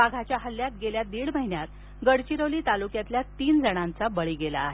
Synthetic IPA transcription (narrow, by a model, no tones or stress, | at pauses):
aɡʱat͡ɕjaɦəlːjat̪ɡeljad̪iːɭməɦinjat̪̚ | ɡəɽt͡ɕiɾəwliːt̪alukjat̪ljat̪iːnd͡zəɽ̃ant͡sabəɭiɡela̰ːɦe